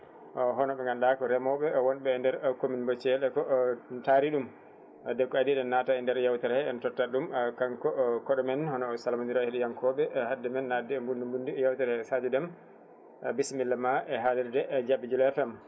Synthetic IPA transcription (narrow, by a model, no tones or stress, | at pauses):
ʔɔɦɔnɔɓɛŋɡanɗakɔɾɛmɔɓɛɔwɔnɓɛːndɛɾkominbɔt͡ʃɛlɛkɔtaɾiɗum | dɛkːɔadiɗɛnːataɛndɛɾjawtɛɾɛɛɛntɔtːaɗumkaŋkɔkɔɗɔmɛnhɔnɔːsalamaniɾaheɗɛjaŋkʰɔɓɛʔhadːɛmɛnːadɛmbundimbundijawtɛɾɛsad͡ʒudɛm | bismilːamaʔɛɦadɛɾdɛd͡ʒabːid͡ʒulɛfɛm